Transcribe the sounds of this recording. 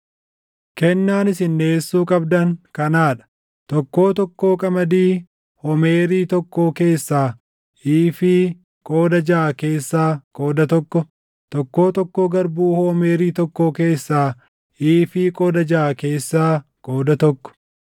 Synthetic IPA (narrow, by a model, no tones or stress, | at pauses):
kɛnːaːnɪsɪnːeːsːuːkʼɐbd̪ɐŋkɐnaːᶑɐ̥ | t̪ɔkːo̞ːt̪ɔkːoːkʼɐmɐd̪iː | hɔmeːɾiːt̪ɔkːoːke̞ːsːaː | iːfiː | kʼoːd̪ɐd͡ʒaːke̞ːsːaːkʼo̞ːd̪ɐt̪ɔkːɔ | t̪ɔkːo̞ːt̪ɔkːoːɡɐɾbuːhoːmeːɾiːt̪ɔkːoːke̞ːsːaː | iːfiːkʼoːd̪ɐd͡ʒaːke̞ːsːaːkʼoːd̪ɐt̪ɔkːɔ̥